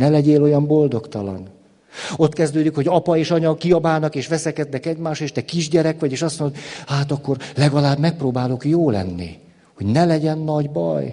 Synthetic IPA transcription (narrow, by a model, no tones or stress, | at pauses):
nɛlɛɟeːlo̞jɒmbo̞ld̪o̞kt̪ɒlɒ̰n | o̞t̪kɛzd̪øːd̪ikho̞ɟɒpɒeːʃɒɲɒkiɒbaːnɒkeːʃʋɛsɛkɛd̪nɛkɛɟmaːʃeːʃt̪ɛkiʒɟɛɾɛkʋɒɟeːʃɒst̪mond̪od̪haːt̪ɒkːo̞rlɛɡɒlaːbmɛk̚proːbaːlo̞kjoːlɛ̰nːḭ | hoɟnɛlɛɟɛnːɒɟbɒ̰j